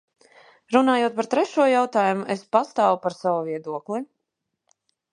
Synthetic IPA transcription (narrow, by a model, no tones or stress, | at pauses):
ɾunaːjuɔt̪̚paɾt̪ɾɛʃuɔjawt̪aːjumuʔespast̪aːwupaɾsawuviɛd̪uɔklˠi